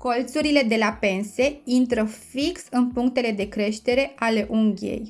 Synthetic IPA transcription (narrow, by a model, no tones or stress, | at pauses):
ko̞lt̪suɾile̞d̪e̞lape̞nse̞int̪ɾəfiksɨnpuŋkt̪e̞le̞d̪e̞kɾe̞ʃt̪e̞ɾe̞ʔale̞ʔuŋɡʲie̞̰j